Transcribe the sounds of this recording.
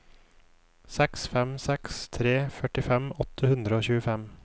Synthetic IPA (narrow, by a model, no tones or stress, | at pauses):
sɛksfɛmsɛkst̪ʰɾeːfœʈɪfɛmɔt̪ʰəhʉnd̪ɾəoːçʉːəfɛm